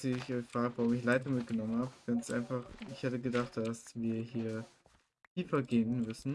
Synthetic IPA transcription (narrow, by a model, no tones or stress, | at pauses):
siɪçɔʏçfʁ̥aːɡəvaʁʊmɪçlaɪtɐmɪt̚ɡ̥ənɔmən̩haːbəɡ̥ansʔa̰ɪnfaχɪçhɛtəɡədaχt̚d̥asv̥iːɐɦiːɐ | tʰiːfɐɡeːənmʏsn̩